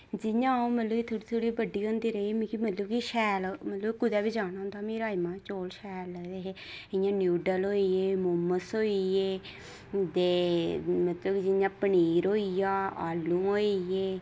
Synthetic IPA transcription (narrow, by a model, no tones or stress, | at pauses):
d͡ʒɪjãːũːmət̪ləbiːt̪ʰoːɽiːt̪ʰoːɽiːbəɖːiːɦõːnd̪iːɾəimĩkimət̪ləbkiʃɛːlmət̪ləbkʊd̪ɛːbiːd͡ʒaːñaːɦʊ̃nd̪aːmiːɾaːimãːt͡ʃoːlʃɛːləd̪eːɦe | ɪjãːnjuːɖəlɦoːijeːmomːəsɦoːijeː | t̪eːmət̪ləbkid͡ʒɪjãːpəniːɾoːijaːaːlːũːɦoːijeː